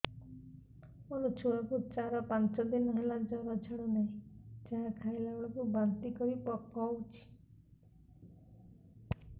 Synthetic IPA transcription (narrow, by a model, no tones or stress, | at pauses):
ɔnut͡ʃʰuwakut͡ʃaɾɔpant͡ʃɔd̪inɔɦelad͡ʒaɾɔd͡ʒʰʱaɽɔnaɦĩd͡ʒaakʰailaɡɭɔkubant̪ikɔɾipɔkɔwt͡ʃʰi̥